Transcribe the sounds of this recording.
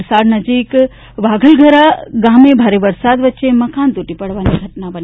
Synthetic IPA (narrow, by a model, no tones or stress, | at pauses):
ɾsaːd̪nɐd͡ʒiːk | ʋaːɡʱəlɡʱɐɾaɡaːmẽbʱaːɾeʋɐɾsaːd̪ʋətːʃemɐkaːnt̪uʈipɐɽʋaːniɡʱɐʈnabɐn